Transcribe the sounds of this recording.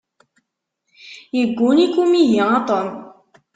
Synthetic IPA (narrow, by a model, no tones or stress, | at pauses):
jəɡːunikumijiɑt̪ˤɔn